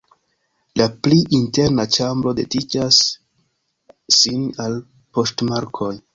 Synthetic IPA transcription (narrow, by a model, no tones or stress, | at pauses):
lapliʔinte̞ɾnat͡ʃambɾo̞de̞did͡ʒas | inal | po̞stmaɾkʰo̞j